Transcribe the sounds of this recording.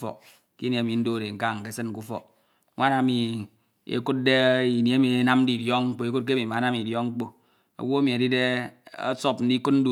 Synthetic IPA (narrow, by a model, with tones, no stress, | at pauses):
fɔ̰˨k̚ | ki˦n˨e˨˦mi˨n̩˦do˦˨de˨ŋ̩˦ka˦ŋ̩˨ke˦sɨ˦nŋ˦k̬u˦fɔ̰˨k | ŋʷa˦na˨˦mi˨ | ḛ˨ku˦t̚de˦i˨nje˦mi˨e˦na˦mn̩˦di˨djɔ˦ŋ͡m̩˦k͡po˦e˦ku˦t̚k̬e˦mi˨ma˨˦na˦mi˨djɔ˦ŋŋ͡m̩˦k͡po˦ | o̰˨wo˦a˦mi˨e˨di˦de˦a̰˦so˦pn̩˦di˦ku˦t̚n̩˦du˦